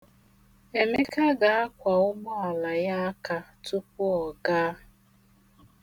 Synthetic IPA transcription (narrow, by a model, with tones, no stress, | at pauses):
e˨me˦ka˦ɡa˨a˦kʷa˨ʊ˦mɔ˦a˨la˨ja˦a˦ka˦tʊ˦p̚ʊ˦ɔ˨ɡaː˦